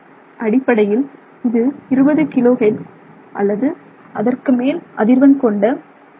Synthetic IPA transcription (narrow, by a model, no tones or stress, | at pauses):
ʔɐɽɪpːɐɽɐjɪl | ɪðɯɪɾɯbɐðɯkɪloːɣeːʈ | ʔɐ̰lːɐðɯ | ʔɐðɐrkɯmeːlʔɐðɪɾʋɐnkɔɳɖɐ